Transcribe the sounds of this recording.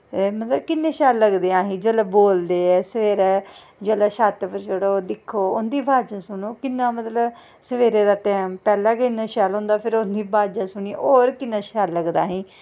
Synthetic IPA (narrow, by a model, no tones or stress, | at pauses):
mət̪ləbkɪnːẽːʃaːlːəɡd̪eãːɦĩːd͡ʒəːlaːboːld̪eːɛːsəʋeːɾɛː | d͡ʒelaːʃaːt̪pəɾd͡ʒəɽoːd̪ɪkʰːoːʊnd̪iːbʱaːd͡ʒãːsʊɳoːkɪnːãːmət̪ləb | səʋeːɾeːd̪aːʈɛːmpɛːlãːkɪnːãːʃaːlɦõːnd̪aːpʰɪɾʊnd̪iːbʱaːd͡ʒãːsʊɳiːoːɾkɪnːãːʃaːlːəɡd̪aːɦĩː